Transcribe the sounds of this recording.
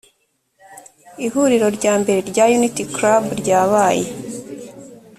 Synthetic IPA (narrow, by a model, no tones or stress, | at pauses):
ihuɾiɾo̞ɾɟaːmbe̞ɾe̞ɾɟajunitikɾabɾɟaːβaːje̞